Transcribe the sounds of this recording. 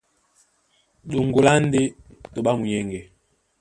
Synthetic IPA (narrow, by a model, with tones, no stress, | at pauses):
ɗu˨ŋɡo˨la˦n˦de˦ | to˨ɓa˦mu˨ɲɛ˦ŋɡɛ˨